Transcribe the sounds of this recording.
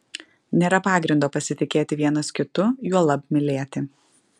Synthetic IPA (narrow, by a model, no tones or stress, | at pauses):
nʲeːɾɐpɑːɡɾʲɪnd̪oːpɐsʲɪt̪ʲɪkʲeːt̪ʲɪʋʲiɛnoskʲɪt̪ʊjuɔlˠɐpmʲɪlʲeːt̪ʲɪ